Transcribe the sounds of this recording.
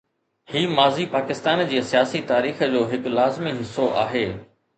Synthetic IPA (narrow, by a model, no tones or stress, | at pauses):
hiːmaːzipaːkɪst̪aːnd͡ʑiːəsijaːsit̪aːɾiːxəd͡ʑoːɦɪklaːzmiɦɪsoʔa̰ːɦeː